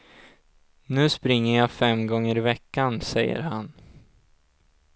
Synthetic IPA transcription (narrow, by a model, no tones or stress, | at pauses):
nʉ̟ːspɾɪŋːəjɑːfɛmɡɔŋːəɾɪvɛkːansɛjːə̰ɾhan